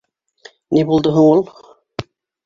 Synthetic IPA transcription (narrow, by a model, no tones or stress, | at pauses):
nibulˠd̪oɦɤɴulˠ